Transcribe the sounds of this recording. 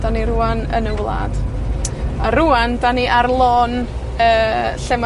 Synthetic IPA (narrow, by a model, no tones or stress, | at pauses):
d̥aniɾuanə̰nəwlˠa̰d̥ | aɾuandaniʔarlˠɔːn | əːɬɛma